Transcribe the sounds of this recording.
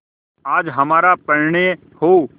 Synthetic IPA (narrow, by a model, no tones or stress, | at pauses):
aːd͡ʒɦɐmaːɾapɐɾɳe | ho